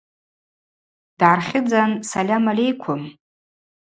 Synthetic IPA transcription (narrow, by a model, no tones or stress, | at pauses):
d̥ʕarχʲɪd͡zansalʲamalʲejkʷʰʊm